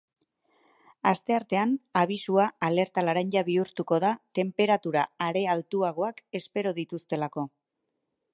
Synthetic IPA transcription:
ast̪e̞aɾt̪e̞anaβ̞isuaale̞ɾt̪alaɾaɲʎaβiuɾt̪uko̞ðat̪e̞mpe̞ɾat̪uɾaːɾe̞alt̪uaɣo̞ake̞spe̞ɾo̞ðit̪ust̪e̞lako̞

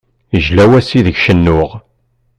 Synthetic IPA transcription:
əʒlæwæsiðəʝʃənːʊʁ

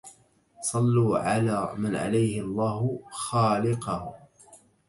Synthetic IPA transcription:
sˤɑlːuːʕalaːmanʕa̰lajhɪɑlˤːɑːhʊxaːlɪqɑh

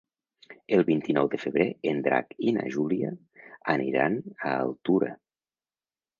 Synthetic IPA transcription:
əlˠβint̪inɔwðəfəβɾeend̪ɾa̰kina̰ʒulia | ənʔiɾanaːlˠt̪uɾə

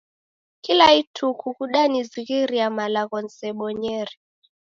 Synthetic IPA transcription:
kilaitʰukukuɗaniziɣiɾiamalaɣɔn̩sɛɓɔɲɛɾi

